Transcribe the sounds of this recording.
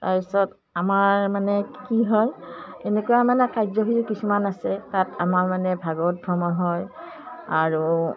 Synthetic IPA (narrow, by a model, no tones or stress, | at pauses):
taɹpisɔt | amaɹmanɛkiɦɔjenekujamanɛkajzɔɦitukisumanasɛtatamaɹmanɛbʱaɡɔt̚bʱɹɔmɔɦɔj | aɹu